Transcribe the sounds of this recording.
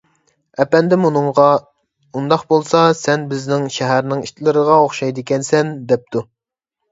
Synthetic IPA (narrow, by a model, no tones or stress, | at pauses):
ɛpɛnd̪ɪmunɨŋʁɑ | und̪ɑqbolˠsɑsɛnbɪznɪŋʃɛɦæɾnɪŋiʃt̪ʰɪlˠɨɾəʁɑoχʃɑjd̪ɪkʲɛnsɛnd̪ɛp̚t̪ʰu